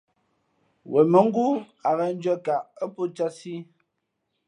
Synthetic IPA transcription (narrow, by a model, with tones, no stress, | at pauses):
wʔɛ˨mə˨˦ŋ̩˦ɡu˦ | a˨ɣɛ˦n̩˦d͡ʒə˦ka˨ʔə˦po˦t͡ʃa˦si˦